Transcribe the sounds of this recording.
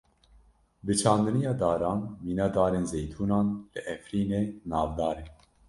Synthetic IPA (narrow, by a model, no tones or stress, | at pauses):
bɨt͡ʃʰɑːnd̪ɨnijɑːd̪ɑːɾɑːnmiːnɑːd̪ɑːɾeːnzejt̪ʰuːnɑːnlɨʔɛfɾiːneːnɑːvd̪ɑːɾeː